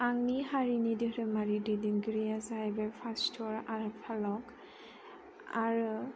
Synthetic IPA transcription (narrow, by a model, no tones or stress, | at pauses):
aŋniɦaɹinidiɾɯmaɹididiŋɡɾijazajbɛpʰastʰɔɹaɹupʰalɔk | aɹu